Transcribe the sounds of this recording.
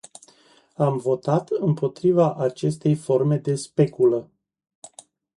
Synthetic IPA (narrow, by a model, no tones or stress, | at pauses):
amvo̞t̪at̪ɨmpo̞t̪ɾivaʔat͡ʃe̞st̪e̞jfo̞rme̞d̪e̞spe̞kulə